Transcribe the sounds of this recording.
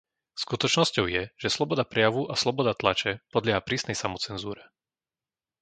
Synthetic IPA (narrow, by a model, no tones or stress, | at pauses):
skut̪ɔt͡ʃnɔscɔʊjɛʒ̥ɛslɔbɔd̪apɾɛjaʋuʔaslɔbɔd̪at̪lat͡ʃɛpɔd̪lɪɛɦapɾiːsnɛjsamɔt͡sɛnzuːɾɛ